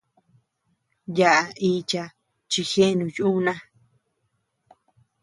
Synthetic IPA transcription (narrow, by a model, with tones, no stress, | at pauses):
ja˧ʔa˧i˧t͡ʃa˧ | t͡ʃi˧xe˦˧nũ˨ju˦nã˦